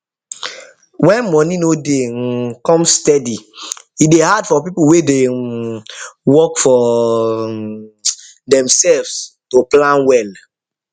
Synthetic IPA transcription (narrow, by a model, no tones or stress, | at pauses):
wɛ̃nmɔ̃ninodekɔ̃mstɛdi | ideɦadfɔpipuwede | wɔkfɔ | dɛ̃msɛlvstoplãnwɛl